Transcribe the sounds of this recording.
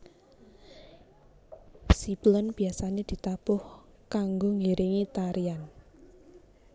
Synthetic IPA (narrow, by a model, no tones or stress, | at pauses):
sib̥lənb̥i̤asaned̪̥i̤t̪apʊh | kaŋɡoŋiɾʔiŋit̪aɾian